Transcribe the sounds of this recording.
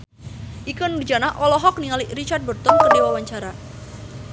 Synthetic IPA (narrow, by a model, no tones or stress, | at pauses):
ʔikənrd͡ʒanaʔɔlɔɦɔk̚niŋalirit͡ʃart̪̚bərt̪ɔnkərdewawaɲt͡ʃaɾa